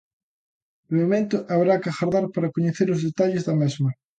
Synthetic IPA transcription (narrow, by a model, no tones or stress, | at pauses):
emomẽnt̪ʊʔaβɾakaxaɾðaɾpaɾɐkoɲeθeɾʊzðet̪aʎɪzðɐmezmɐ